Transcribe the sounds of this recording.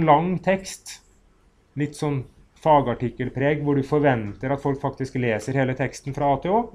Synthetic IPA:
nlɑŋːt̪ʰɛkst̪ | lɪt̪ːsɔnː | fɑːɡɑʈɪkːəlpʰɾeːɡʋʊɖʉfɔɾʋɛnt̪əɾɑt̪fɔlkfɑkt̪ɪskleːsəɾheːlət̪ʰɛkst̪nfɾɑɑːt̪ʰɛːoː

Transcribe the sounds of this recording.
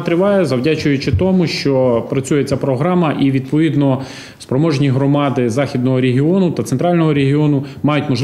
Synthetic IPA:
t̪ɾɪʋɑjɛzɐwdʲat͡ʃʊjʊt͡ʃɪt̪ɔmʊʃt͡ʃɔpɾɐt͡sʲujet͡sʲapɾɔɦɾɑmɐʔiʋʲid̪̚pɔʋʲid̪nɔ | spɾɔmɔʒnʲiɦɾɔmɑd̪ɪzɑxʲid̪nɔɦɔɾʲeɦʲiɔnʊt̪ɐt̪sent̪ɾɑlʲnɔɦɔɾʲeɦʲiɔnʊmɑjʊtʲmɔʒˠ

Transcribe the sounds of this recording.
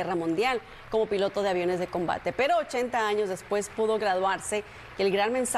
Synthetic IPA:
eramũnd̪jal | ko̞mo̞pilo̞t̪o̞ð̞eaβjo̞ne̞zðe̞ko̞mba̰t̪e̞pe̞ɾo̞ːt͡ʃe̞nt̪aaɲo̞zðe̞spwe̞spuðo̞ɣɾaðwaɾse̞ | keːlɡɾanmẽ̞ns

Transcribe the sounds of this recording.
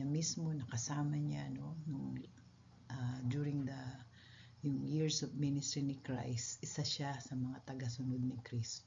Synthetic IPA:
ɲamismo̞nɐkɐsaːmɐɲanonʊŋ | ʔad͡ʒuɾɪŋd̪ɐ | jʊŋjɪɹsɔvmɪnɪst̪ɾinɪkɹa̰jst̪ʔɪsaʃasɐmɐŋat̪ɐɡasʊnod̪̚nɪkɾist̪o

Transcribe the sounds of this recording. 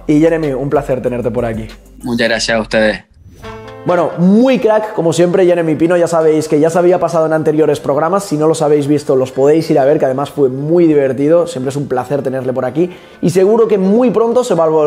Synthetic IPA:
iʝeɾemiumplaθe̞ɾt̪e̞ne̞ɾt̪e̞po̞ɾaki | mut͡ʃaɣɾaθjasut̪eðe | bwe̞no̞mujkɾakːomo̞sje̞mpɾe̞ʝe̞ɾe̞mipino̞ʝasaβ̞e̞jske̞ʝasaβ̞iapasað̞oenãnt̪eɾjo̞ɾe̞spɾo̞ɣ̞ɾamasːino̞lo̞saβ̞e̞jzβist̪olo̞spo̞ðe̞jsiɾaβ̞e̞ɾkeað̞e̞masfwe̞mwujðiβ̞e̞ɾt̪ið̞o̞sje̞mpɾeesumplaθe̞ɾt̪e̞ne̞ɾle̞po̞ɾaki | ise̞ɣ̞uɾo̞ke̞mujpɾo̞nt̪o̞se̞βalβo

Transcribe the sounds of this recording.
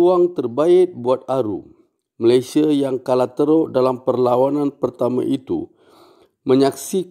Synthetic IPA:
uaŋt̪ərbaɪt̪̚buat̪̚aɾṵ | məlajsiajaŋkalat̪əɾoʔdalampərlawanãnpərt̪amã̰ʔit̪ṵ | mə̃ɲaksi

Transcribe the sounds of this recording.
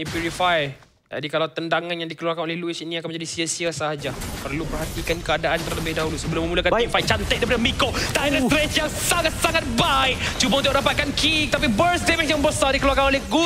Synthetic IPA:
ipjuɾifaj | d͡ʒa̰dikalawt̪əndaŋanjaŋdikəluarkanolɛhluɪt͡ʃinĩakanməɲd͡ʒadisiəsiasəɦad͡ʒapərlupərhɦat̪ikankəadaʔant̪ərləbɪhdaɦulusəbəlʊməmulakanifajt͡ʃant̪əʔdaipadəmikot̪aiət̪ɾɛsjaŋsaŋat̪̚saŋat̪̚baɪk̚t͡ʃubaũnʊk̚dapat̪̚kankʰikt̪ap̬ibəɾsdemɛjãŋbəsadikəluarkanolɛhɡu

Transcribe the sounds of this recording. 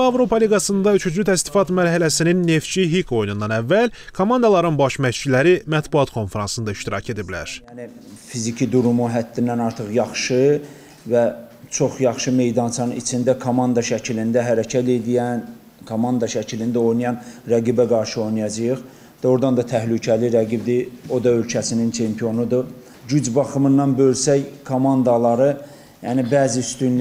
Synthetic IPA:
ɑvɾo̞pʰɑliɡɑsɯnd̪ɑyt͡ʃʰyt͡ʃlyt̪ʰæst̪i̥fɑt̪mæɾɦælæsininːe̞ft͡ʃiɦikʰo̞jnund̪ɑnævːælkʰomɑnd̪ɑlˠɑɾɯnbɑʃmæt͡ʃilæɾimæt̪buɑt̪kʰo̞nfeɾɑnsɯnd̪ɑiʃt̪iɾɑ̰ce̞d̪iblæ̰ɾ̥jænifizicʰid̪uɾumuɦæt̪ːinːænɑɾt̪ʰɯχjɑχʃɯ | væt͡ʃʰo̞χjɑχʃɯme̞jd̪ɑnt͡ʃʰɑnit͡ʃʰind̪ækʰomɑnd̪ɑʃæcʰilind̪æɦæɾæcʰæt̪e̞d̪ijæn | kʰomɑnd̪ɑʃæcʰilind̪æo̞jnijɑnɾæɡibæɡɑɾʃɯo̞jnijɑd͡ʒɯjɯχ | d̪æo̞ɾd̪ɑnd̪ɑt̪ʰæhlycʰæliɾæɡibd̪io̞d̪ɑø̞lcʰæsinint͡ʃʰe̞mpʰijo̞nud̪ɯ | ɟyd͡ʒbɑχɯmɯnːɑnbø̞lsæjkʰomɑnd̪ɑlˠɑɾɯ | jænibæːziyst̪ynl

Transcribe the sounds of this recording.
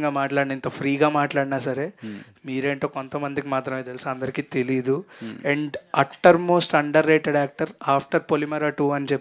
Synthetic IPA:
ŋɡaːmaːʈlaːɽinɐint̪opʰɾiːɡaːmaːʈlaːɽinaːsɐɾeː | miːɾe̞ːɳʈoːko̞nt̪ɐmɐnd̪ikimaːt̪ɾɐmeːt̪elisiɐnd̪ɐɾikiːt̪e̞lijd̪uɛɳɖɐʈːɐɾmoːsʈɐɳɖɐɾːeːʈeɖaːk̚ʈɐɾaːpʰʈɐɾpolimɐɾɐʈuːɐnit͡ʃepː

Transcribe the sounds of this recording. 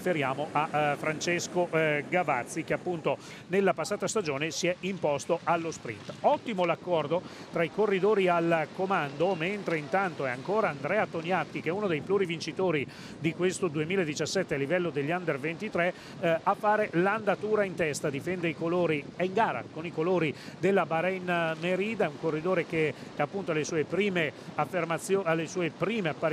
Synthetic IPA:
feɾjaːmoʔafɾant͡ʃeskoɡavat̪sːik̟eapːunt̪o | nelːapasːaːt̪ast̪ad͡ʒoːnesiɛimpɔst̪oʔalːospɾḭnt̪ɔt̪ːimolakːɔrd̪o | t̪ɾaikorːid̪oːɾialkomand̪oment̪ɾeint̪ant̪oɛaŋkoːɾaːnd̪ɾɛːat̪onjat̪ːik̟eɛunod̪ejpluɾivint͡ʃit̪oːɾi | d̪ikwest̪od̪uemiːlaed̪it͡ʃasːɛt̪ːealːivɛlːod̪eʎːand̪ervent̪it̪ɾɛ | afːaːɾeland̪at̪uːɾaint̪ɛst̪ad̪ifɛnd̪eikoloːɾiɛiŋɡaːɾa̰konikoloːɾid̪elːabaɾɛnmeɾiːd̪auŋkorːid̪oːɾeke | apːunt̪oalesuːepɾiːmeafːermat̪sːjoalːesuːepɾiːmeapːa

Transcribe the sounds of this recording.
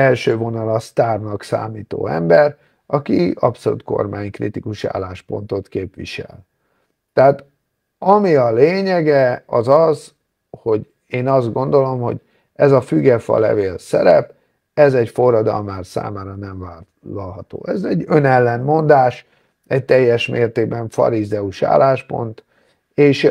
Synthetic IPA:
ɛlʃøːvo̞nɒlɒst̪aːrnɒksa̰ːmiːt̪o̰ːɛ̰mbɛɾ | ɒkiɒpso̞lṵt̪̚ko̞̰rmaːɲkrḭt̪ikuʃia̰ːlːaːʃpo̞̰nt̪o̞t̪keːpʋiʃɛ̰l | t̪ɛaːt̪ | ɒmiɒleːɲɛɡɛɒzɒz | ho̞ɟ | eːnɒzd̪ɡo̞nd̪o̞lo̞mho̞̰ɟ | ɛzɒfyɡɛfɒ̰lɛ̰veːlsɛ̰ɾɛ̰p | ɛzɛcfo̞rːɒd̪ɒ̰lmaːrsa̰ːmaːɾɒnɛɱvaː | ɔlɦɒt̪o̰ːʔɛzɛɟønɛlːɛnmo̞nd̪aːʃ | ɛc̚t̪ɛjːɛʃmeːrt̪eːɡ̚bɛɱfɒ̰ɾizɛuʃa̰ːlːaːʃpo̞̰nt̪ | eːʃ

